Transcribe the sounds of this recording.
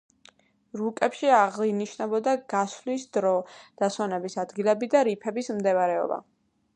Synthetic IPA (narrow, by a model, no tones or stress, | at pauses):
ɾukʼɛpʃiaʁliniʃnɛbɔd̪aɡ̥aslisd̪ɾɔd̪̥aswanɛbisad̪ɡilɛbid̪aɾipʰɛbismd̪ɛvaɾɛɔ̰ba̰